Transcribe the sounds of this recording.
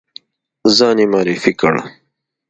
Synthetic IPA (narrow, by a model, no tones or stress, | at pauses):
zɑːnimɑːɾifikəɽa̰